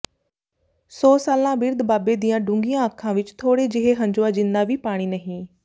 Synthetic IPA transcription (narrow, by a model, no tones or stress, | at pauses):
sɔːsaːlãbɪɾd̪baːbed̪ijãɖʊ̃ŋɡijãəkʰːãːʋɪt͡ʃt̪ʰoːɽed͡ʒɪɦeɦɐ̃ɲd͡ʒʊad͡ʒɪnd̪aʋipaːɽ̃inəɦĩː